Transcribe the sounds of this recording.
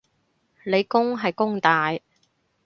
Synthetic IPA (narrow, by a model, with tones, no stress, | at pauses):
le˨˧jkʊ˥ŋɦɐ˨jkʊ˥ŋt̪aː˨j